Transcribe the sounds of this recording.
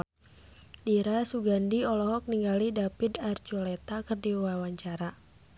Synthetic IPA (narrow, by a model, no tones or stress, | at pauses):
diɾasuɡandiɔlɔɦɔk̚niŋɡalidapid̪art͡ʃulɛt̪akɨrdiwawaɲt͡ʃaɾa